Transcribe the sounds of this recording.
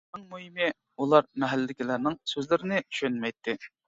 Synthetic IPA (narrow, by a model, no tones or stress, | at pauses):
nɨŋmuhimɪ | ulˠɑɾmɛɦælːɪd̪ɪkʲilæɾnɪŋsøzlɪɾɪnɪy̥ʃønmɛjt̪ʰːɪ